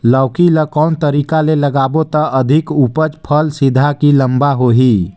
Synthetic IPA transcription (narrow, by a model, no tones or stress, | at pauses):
ləwkiləkɔʊnt̪əɾikaleləɡabot̪əʔəd̪ʱikupət͡ʃpʰəlsid̪ʱakiləmbaɦoɦi